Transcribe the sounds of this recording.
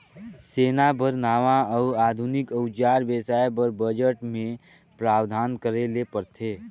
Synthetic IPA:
seːnabʱəɾnaːʋãəaːd̪ʱunɪkəʊt͡ʃaːɾbeːsaːebəɾbəd͡ʒəʈmẽ | pɾaːwd̪ʱaːnkəɾelepəɾt̪ʰeː

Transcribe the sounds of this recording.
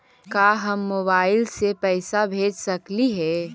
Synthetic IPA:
kaːɦɐmːoːbaːɪlsepɛːsabʱeːd͡ʒsɐkliɦɛː

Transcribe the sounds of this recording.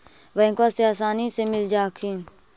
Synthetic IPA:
ʋəɪ̃kaːseaːsaːniːsemɪld͡ʒaːkʰiː

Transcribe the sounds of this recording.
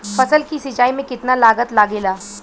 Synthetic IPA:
fɐsəlkisɪt͡ʃaːimẽkɪt̪nalaːɡət̪laːɡeːlaː

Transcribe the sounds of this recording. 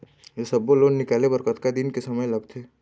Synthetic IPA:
jesɐbːoloːnːɪkaːlebɐɾkət̪kad̪ɪnkesɐməjlɐɡt̪ʰeː

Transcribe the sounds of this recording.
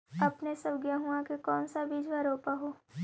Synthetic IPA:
ɐpnesɐbɡjaɦuãkekɔːnsabid͡ʒʋaɾoːpaɦoː

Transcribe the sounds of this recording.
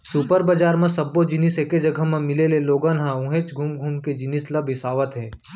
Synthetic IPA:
supəɾbəd͡ʒaːɾmẽsɐbːod͡ʒɪniseked͡ʒɐɡʱəmẽmɪleleloːɡənɦãũɦeːt͡ʃɡʱumɡʱuːmked͡ʒɪnislɐbʱɪsaːʋət̪ɦɛː

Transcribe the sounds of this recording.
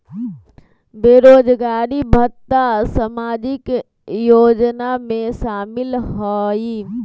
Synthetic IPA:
beːɾoːd͡ʒɡaːɾibʱət̪asəmaːd͡ʒɪk | joːd͡ʒnamẽʃaːmɪlɦoːi

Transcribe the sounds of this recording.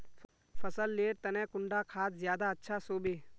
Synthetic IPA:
fʰəsəlːeːɾt̪ɐnɛ̃ːkʊ̃ɳɖakʰaːt̪zjaːd̪aɐtːʃʰasoːbeː

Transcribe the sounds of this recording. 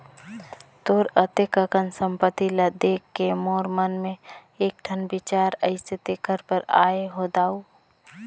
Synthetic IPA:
t̪oːɾət̪ekəkənsə̃mpət̪iləd̪eːkːemoːɾmənmẽ | eːk̚ʈʰənbɪt͡ʃaːɾəɪset̪ekʰəɾpəɾaːeɦod̪aːu

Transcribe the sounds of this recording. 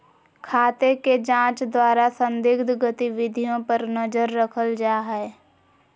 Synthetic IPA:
kʰaːt̪eked͡ʒãːt͡ʃd̪waːɾasə̃nd̪ɪɡd̪ɡət̪iʋɪd̪ʱijõpəɾnɐzəɾːəkʰəld͡ʒaːɦɛː

